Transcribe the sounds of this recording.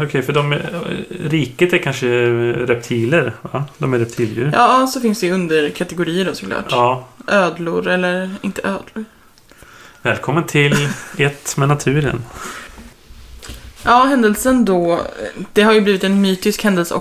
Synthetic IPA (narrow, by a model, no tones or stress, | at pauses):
ɔkʰɛjfœɖɔm | ɾiːkət̪æɾkʰanʂəɾɛp̚t̪ʰiːləɾvad̪ɔmæɾɛp̚t̪ʰiːljʉ̰ːɾjʔɑːsɔfɪnsd̪ɛjɵnd̪əɾkʰat̪ɛɡʊɾiːəɖɔsɔ̥kʰlɑ̰ːʈɑːʔøːd̪lʊɾɛlːəɾɪnt̪ʰəʔøːd̪lʊɾ | vɛːlkʰɔmːənt̪ʰɪlɛt̪mɛnat̪ʰʉ̟ːɾə̰n | jɑːɦɛnd̪əlsənd̪ɔd̪̥ɛɦaɾjɵbliːvɪt̪ɛnmyːt̪ɪskhɛnd̪əlsəɔ̰